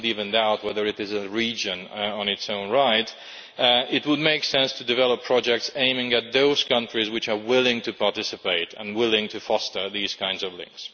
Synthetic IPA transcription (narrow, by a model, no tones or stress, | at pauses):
ɾivɨ̃ndaʊt̚wɛðə˞ɨɾɨzɨɹid͡ʒɨ̃nə̃nɨtsõʊ̃nɹaɪt | ɪt̚wəd̚meɪksɛ̃nstʰɨdɨvɛlˠəpʰɹ̥ɑd͡ʒɛk̚tsẽɪ̃mɪ̃ŋɨt̪̚ðoʊz̥kʰʌ̃nt͡ʃɹ̥izwɨt͡ʃə˞wɪlˠɪ̃ŋtʰɨpʰɑɹtɪsɨpeɪɾə̰̃nwɪlˠɪ̃ŋtʰɨfɔstə˞ðiz̥kʰãɪ̃ndzʌvlɪ̰̃ŋks